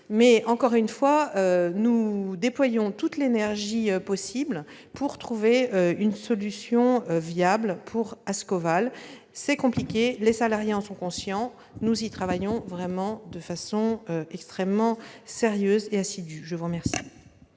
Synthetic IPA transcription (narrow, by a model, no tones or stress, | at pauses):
mɛɑ̃kɔʁynfwaønud̪eplwajɔ̃t̪ut̪lenɛʁʒiøpɔsibl | puʁt̪χuveøynsɔlysjɔ̃øvjablpʰuʁaskɔval | sɛkɔ̃plikʲelesalaʁjeɑ̃sɔ̃kɔ̃sjɑ̃ | nuzit̪χavajɔ̃vʁɛmɑ̃d̪əfasɔ̃øɛkst̪χɛmːɑ̃seʁjøzeasid̪yʒəvuʁmɛʁsi̥